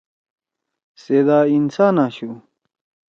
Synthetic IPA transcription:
seːd̪aːinsaːnaːɕu

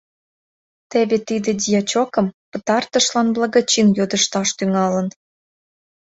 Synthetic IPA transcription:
t̪eβet̪id̪ĕd̪ʲijɑt͡ɕokə̆mpət̪ɑrt̪əʃlɑnblɑɣɑt͡ɕinjod̪əʃt̪ɑʃt̪yŋɑlə̆n

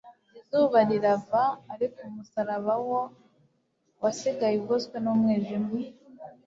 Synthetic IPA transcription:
ɟizuβaɾiɾavaːɾikomusaɾaβawo | wasiɡajibɡoskwenumŋeːʒimi

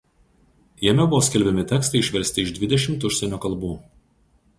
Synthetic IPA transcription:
jɛmʲɛbʊʋoːsʲkʲɛlʲbʲɛmʲɪt̪ʲɛkst̪ɐɪɪʃʲʋʲɛɾʲsʲt̪ʲɪɪʒd̪ʲʋʲɪd̪ʲɛʃʲɪmt̪ʊʃʲsʲɛnʲoːkɐlˠˑbuː

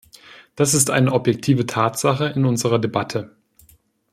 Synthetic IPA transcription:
d̥asɪstʔa̰ɪnəʔɔpjɛk̚tʰiːvətʰaːtz̥aχəɪnʊnzəʁɐdebatʰə

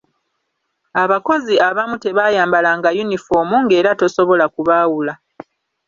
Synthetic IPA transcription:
aβako̞ziʔaβamute̞βaːjaːmbalaŋɡajunifo̞muŋɡe̞ːɾato̞so̞βo̞lakuβaːwula

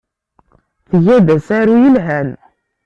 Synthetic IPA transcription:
θəʝædæsæɾujəlɦæn

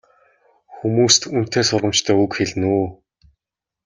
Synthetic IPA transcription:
xumuːst̪ʰun̥t̪eːsʊrʁə̆mt͡ɕt̪ʰœːɵkxeɮnuː

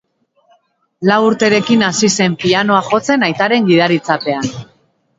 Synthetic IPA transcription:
lawuɾt̪e̞ɾe̞kinasise̞mpiano̞aχo̞t͡se̞najt̪aɾe̞ŋɡiðaɾit͡sape̞an

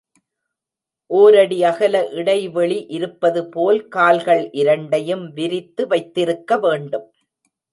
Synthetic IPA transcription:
ʔoːɾɐɽiɐɣɐlɐʔɪɽɐɪʋɛɭiʔɪɾɯpːɐðɯpoːlkaːlɣɐɭʔɪɾɐɳɖɐjɯmʋɪɾɪt̪ːɯʋɐɪt̪ːɪɾɯkːɐʋeːɳɖɯm

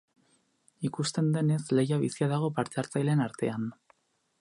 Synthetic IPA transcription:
ikust̪e̞nd̪e̞ne̞sle̞jaβisiaðaɣ̞o̞paɾt̪e̞aɾt͡sajle̞naɾt̪e̞an

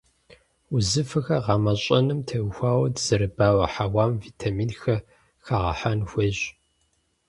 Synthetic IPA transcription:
uzɨfɨxɐʁɑːmɐɕʼɐnɨmtʰɐwxʷaːwɐdz̥ɐɾɨbaːwɐħawaːmvitʰamiːnxɐ | xaʁɐ̰ħanxʷeɕ

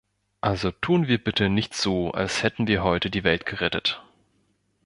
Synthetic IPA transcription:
ʔalzotʰuːənviːɐbɪtənɪçtz̥oːa̰lshɛtn̩viːɐɦɔʏtədiːvɛltɡ̥əʁɛtət

